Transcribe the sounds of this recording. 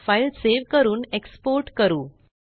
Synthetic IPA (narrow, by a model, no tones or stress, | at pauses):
failseʋkəɾuːnekspoɾʈkəɾuː